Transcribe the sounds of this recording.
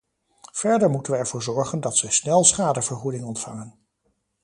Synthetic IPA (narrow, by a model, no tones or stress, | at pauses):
v̥ɛɹdəɹmutənʋəɛɹvʊːɹzɔɹχəndɑtsəsnɛlˠsχaːdəvəɹχudɪŋɔntfɑŋən